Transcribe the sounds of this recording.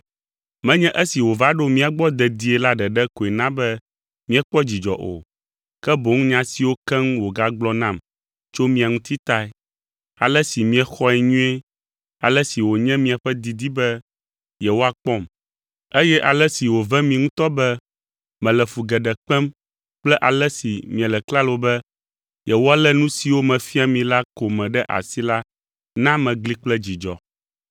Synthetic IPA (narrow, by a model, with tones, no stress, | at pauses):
mɛ̃˦ɲɛ̃˦ʔɛ˦si˨wo˨va˦ɖo˦mĩ˦a˨ɡ͡bɔ˦d̪ɛ˨d̪i˦ɛ˨la˦ɖɛ˨ɖɛ˦ko˨ɛ˨nã˦bɛ˦ | mĩ˦ɛ˦k͡pɔ˦d͡ʑi˨d͡ʒɔ̰˨ʔo̰˨ | kɛ˦bo˨ŋũ˦ɲã˦si˨wo˦kɛ˦ŋ̃˦wo˨ɡa˦ɡ͡blɔ˦nã˦˨m | t͡ʃo˦mĩ˦a˨ŋũ˦t̪i˦t̪a˦ɛ˦ | a̰˨lɛ˦si˨mĩ˦ɛ˦xɔ˦ɛ˨ɲũ˦ɛ˦ | a˨lɛ˦si˨wo˨ɲɛ̃˦mĩ˨a˨ɸɛ˦d̪i˨d̪i˦bɛ˦ | jɛ˨wo˦a˨k͡pɔ˦m | e˦jɛ˦ʔa˨lɛ˦si˨wo˨vɛ̃˦mĩ˨ŋũ˦t̪ɔ˦bɛ˦ | mɛ̃˨lɛ˨fu˨ɡɛ˨ɖɛ˨k͡pɛ˦m | k͡plɛ˦ʔa˨lɛ˦si˨mĩ˨ɛ˨lɛ˨kla˦lo˨bɛ˦ | jɛ˨wo˦a˨lɛ˦nũ˦si˨wo˦mɛ̃˨fi˦a˨mĩ˨la˦ko˨mɛ̃˨ɖɛ˦ʔa̰˨si˦la˦ | nã˦mɛ̃˨ɡli˦k͡plɛ˦d͡ʑi˨d͡ʒɔ̰˨